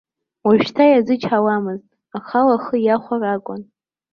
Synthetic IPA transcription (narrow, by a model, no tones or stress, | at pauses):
waʒᶣtʰajazɨt͡ʃʰawamɨztʼ | aχalaχəjaχʷarakʷʼʊn